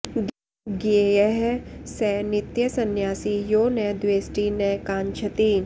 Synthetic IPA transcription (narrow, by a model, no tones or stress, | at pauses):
ɡieɛɦsɛːnɪt̪jɐsɐnjaːsijoːnɛd̪ʋeːsʈinɛːkãːnt͡ʃʰɐt̪i